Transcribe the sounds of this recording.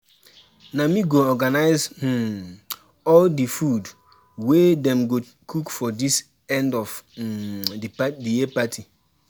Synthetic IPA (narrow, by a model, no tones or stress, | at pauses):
namiɡoɔɡanaɪz̩ | ɔldifud | wedɛ̃mɡo | kʰukfɔdis | ɛ̃ndɔv | ddiɛpatʰi